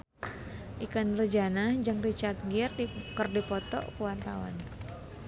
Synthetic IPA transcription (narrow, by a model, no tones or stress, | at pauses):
ʔikənrəd͡ʒanahd͡ʒɨŋrit͡ʃart̪̚ɡirdikərdipɔt̪ɔ̰ʔkuwant̪awa̰n